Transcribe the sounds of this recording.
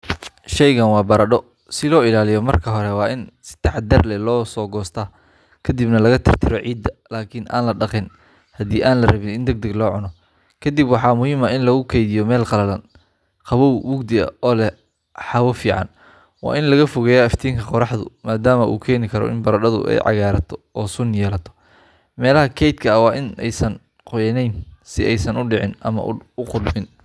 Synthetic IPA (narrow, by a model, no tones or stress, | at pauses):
ʃɛjɣɐnwɑːbɐɾɐɖɔ | sɪlɔːɪlaːlɪjɔmɐrkʰɐɦɔɾɛwɑːʔɪnsɪ̥t̪ʰɑħɑd̪ɐrlɛlɔːsɔːɡɔːst̪ʰɐ | kʰɐd̪ibnɐlɐɣɐt̪ʰɪr̥t̪ʰɪɾɔʕiːd̪ːɐlaːkʰɪnʔa̰ːnlɐɖɑqɪn | hɐd̪iːʔaːnlɐrɐβɪnɪnd̪ɐɡ̚d̪ɐɡlɔːʕʊnɔ | kʰɐd̪ɪbwɑħɑːmʊɦiːmɐɪnlɐɣʊkʰɛjðɪjɔmɛːlqɑlɐlɐn | qʰɑβɔwwʊɡd̪ɪɐ̰ɔːlɛ | ħɑwɐfiːʕɑ̰n | wɑ̰ːʔɪnlɐɣɐfʊɣɛjɐɐft̪ʰiːŋkʰɐqɔɾɑħd̪ʊ̰maːd̪aːmɐʔṵːkʰɛːnɪkʰɐɾɔ̰ʔɪ̰nbɐɾɐɖɐðʊ̰ʔɛ̰jʕɑ̰ɣaːɾɐt̪ʰɔ̥ɔːsʊnjɛːlɐt̪ʰɔ̥ | mɛːlɐɦɐkʰɛjd̪̚kʰɐɐwɑːʔɪnɛ̰jsɐn | qɔjɐnɛjnsɪʔɛjsɐnʊɖɪʕɪnɐmɐ̰ʔʊqʊd̪mɪn